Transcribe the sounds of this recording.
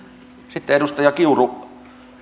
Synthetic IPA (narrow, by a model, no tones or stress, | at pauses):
sit̪ːeeɾust̪ɑjɑkiuru